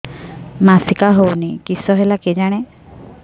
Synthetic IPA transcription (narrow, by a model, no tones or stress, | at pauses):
masikaɦownikisɔɦelaked͡ʒaɽ̃e